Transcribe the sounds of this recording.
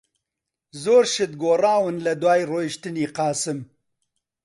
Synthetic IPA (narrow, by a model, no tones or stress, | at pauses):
zoːɾʃɪt̪̚ɡoːrɑːwɨnlɐd̪waːjroːjʃt̪ɨniːqɑːsɨm